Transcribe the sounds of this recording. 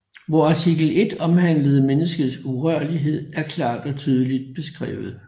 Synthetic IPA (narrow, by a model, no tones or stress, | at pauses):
ʋɒɑ̈t͡sʰiɡ̥l̩e̝d̥ɒ̽mhæn̰ləð̩ˠmenəsɡ̥əð̩ˠsuʁɶɐliɦe̝ð̞̰ˠæɐkʰlɑ̰̈ːd̥ɒ̽t͡sʰyːð̞ˠəlid̥̚b̥e̝sɡ̥ʁɛ̰ːʊð̞̩ˠ